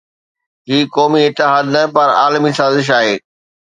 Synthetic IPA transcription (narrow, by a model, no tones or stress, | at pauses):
ɦiːkɔːmiɪt̪ɪɦaːd̪nɐpɐɾa̰ːlmisaːzɪʃ̬aːɦeː